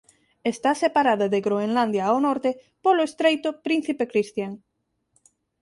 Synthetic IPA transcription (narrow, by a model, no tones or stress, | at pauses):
est̪asepaɾaðaðeɣɾoenland̪jawnɔɾt̪e | poloest̪ɾejt̪opɾin̟θipekɾist̪jaŋ